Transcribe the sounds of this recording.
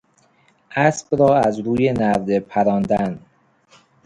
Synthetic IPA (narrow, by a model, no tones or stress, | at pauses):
ʔæsb̥ɾɒːæzɾuːjenæɾd̪epʰæɾɒːnd̪æn